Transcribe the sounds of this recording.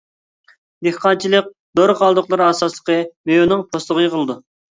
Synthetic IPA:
d̪ehqʰɑnt͡ʃʰilˠɨk̚ʲ | d̪oɾqɑlˠd̪ʊqlˠɨɾɑsɑslˠə̥qəmejonɨŋpʰoslˠʊʁənəqʰəlˠɨd̪u

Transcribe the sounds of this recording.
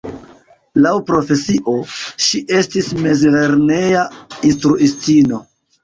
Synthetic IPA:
lawpɾo̞fe̞siʔo̞ʃiʔe̞stisme̞zleɾne̞jainstɾuʔistino̞

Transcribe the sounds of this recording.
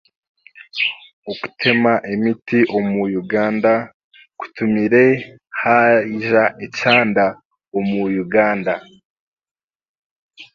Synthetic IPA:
oku̥tʰe̞maʔemitiʔo̞mujuɡaːnda | ku̥tumiɾe̞ | haʒaʔet͡ʃaːnda | omujuɡaːnda

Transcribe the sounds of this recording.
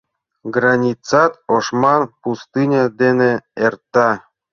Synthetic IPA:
ɡrɑnʲit͡sɑt̪oʃmɑnpust̪ɨnʲɑd̪eneert̪ːɑ

